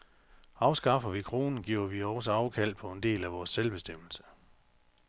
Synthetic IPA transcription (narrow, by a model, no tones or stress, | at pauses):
ɑ̈ʊsɡ̥ɑ̈fɐʋikʰʁo̝ːnn̩ɡ̥iʊ̰ɐʋiɒsɑ̈ʊkʰæl̰d̥̚pʰɒ̽e̝nd̥e̝̰ːlæʋɒːsːelb̥e̝sd̥em̰l̩sə̥